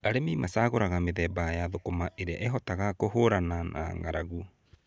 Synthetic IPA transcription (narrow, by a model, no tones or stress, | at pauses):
aɾememasaɣoɾaɣameðɛːbajaðokomaʔeɾeaʔɛɦɔtaɣakohoɾanana̰ŋaɾaɣu